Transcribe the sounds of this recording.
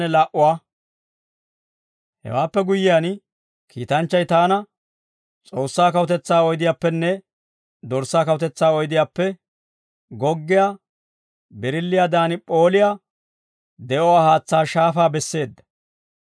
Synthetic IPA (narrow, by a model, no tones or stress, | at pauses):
nɛlaːʔʊwaː | hɛ̰waːpːɛɡʊjːɪjaːn | kʰḭːt̪ɐnt͡ʃːɐjt̪aːnɐ | t͡sʼo̞ːsːaːkɐwʊt̪ɛt͡sːaːɔjd̪ɪjaːpːɛnːɛ | d̪ɔɾsːaːkɐwʊt̪ɛt͡sːaːɔjd̪ɪjaːpːɛ | ɡɔɡːɪjaː | bɛɾɪlːɪjaːd̪aːnpʼo̞ːlɪja | d̪ɛʔɔwaːhaːt͡sːaːʃaːfaːbɛsːe̞ːd̪ːɐ̥